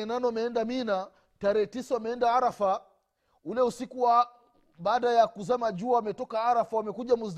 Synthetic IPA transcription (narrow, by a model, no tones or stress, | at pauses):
ɛnanɔwamɛɛndamina | taɾɛɛtisawamɛɛndaaɾafa | ulɛusikuwa | ɓaːɗajakuzamaʄuawamɛtɔkaaɾafawamɛkuʄamuz